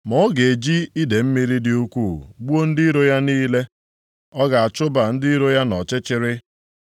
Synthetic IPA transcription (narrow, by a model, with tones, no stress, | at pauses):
mɔ˦ɡe˨d͡ʒi˦i˦de˨m̩˦mi˦ɾi˦dɪ˨u˦kʷu˦˨ɡ͡bu˦o˦n̩˦dɪ˦ɾo˦ja˦niː˦le˦ | ɔ˦ɡa˨a˨t͡ʃʊ˦ba˨n̩˦dɪ˦i˦ɾo˦ja˦nɔ˨t͡ʃɪ˦t͡ʃɪ˦ɾɪ˦